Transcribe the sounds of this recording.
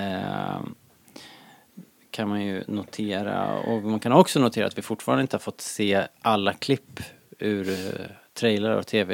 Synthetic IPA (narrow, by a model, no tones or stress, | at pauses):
kʰanmanjɵ̰nʊt̪ʰeːɾa̰ɔ̰mankʰanɔksɔnʊt̪ʰeːɾat̪vɪfʊʈːfɑːɾanəɪnt̪əhaɾfɔt̪ːseːʔalːakʰlɪpː | ʉɾt̪ʰɾɛjlaɾɔ̰t̪ʰeːvɛ